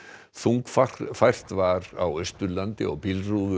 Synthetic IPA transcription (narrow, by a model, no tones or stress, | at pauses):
θuŋkfafajr̥t̪vaɾa̰wœɥst̪ʏlant̪ɪɔɣpilruðʏ